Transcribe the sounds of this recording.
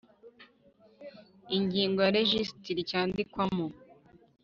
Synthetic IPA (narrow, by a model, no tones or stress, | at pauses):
iɲɟiːŋɡojaɾeʒistiɾicaːndikwamo